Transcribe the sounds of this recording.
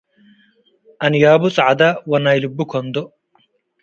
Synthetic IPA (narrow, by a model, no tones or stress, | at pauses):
ɐnjaːbʊt͡sʼʕad̪awɐnajlubːukʰɔnd̪ɔ